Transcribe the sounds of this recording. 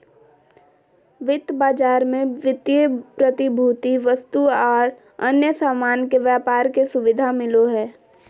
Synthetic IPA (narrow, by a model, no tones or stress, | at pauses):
ʋɪt̪baːd͡ʒaːɾmẽʋɪt̪jəpɾət̪ɪbʱuːt̪iʋəst̪uɔːɽ | ənjəsaːmaːnkeʋjaːpaːɾkesʊʋɪd̪ʱamɪloɦɛː